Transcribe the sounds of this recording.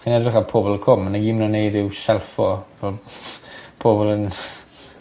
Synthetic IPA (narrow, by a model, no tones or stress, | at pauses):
χinɛdrɪχapʰobɔlˠəkʰɔmːanaɡiːmnɔnejdɪwsɛlˠfɔvɛlˠ | pʰobɔlˠən